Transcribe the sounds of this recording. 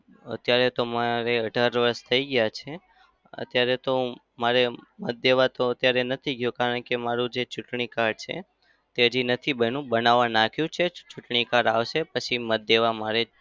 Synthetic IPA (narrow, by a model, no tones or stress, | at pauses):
ə̰t̪jaɾet̪omaɾeəɖʱaɾʋəɾst̪ʰəiɡjat͡ʃʰe | ə̰t̪jaɾet̪o | maɾemət̪̚d̪eʋat̪oət̪jaɾenət̪ʰiɡjũkaɾəɳkemaɾũd͡ʒet͡ʃuʈɳikaɾt͡ʃʰḛ | t̪eəd͡ʒinət̪ʰibənũbənaʋanakʰjũt͡ʃʰet͡ʃuʈɳikaɾaʋʃepət͡ʃʰimət̪̚d̪eʋamaɾe